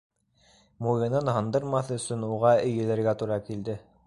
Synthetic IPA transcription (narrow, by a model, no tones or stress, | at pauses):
mujɤ̆nɤnhɤ̆nd̪ɤɾmɑθɤɵ̆sɵnuʁɑɵ̆jɘ̆læɾɡæt̪uɾɑkild̪ɘ